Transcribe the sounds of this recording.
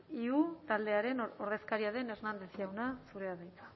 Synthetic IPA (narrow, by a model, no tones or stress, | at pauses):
iut̪ald̪e̞aɾe̞no̞ɾð̞e̞skaɾiaðe̞ne̞ɾnand̪e̞sjawnasuɾe̞aðejt̪ḁ